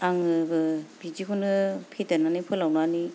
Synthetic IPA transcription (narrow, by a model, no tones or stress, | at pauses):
aŋɯbɯbid͡ʒikʰunɡɯpʰetananijpʰɯlawnani